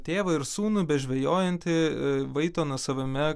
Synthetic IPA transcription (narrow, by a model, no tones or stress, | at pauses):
t̪ʲeːʋɐɪɾsuːnʊbʲɛtʒʲʋʲɛjoːjɛnʲt̪ʲɪʋɐɪt̪oːnɐsɐʋʲɐmʲɛ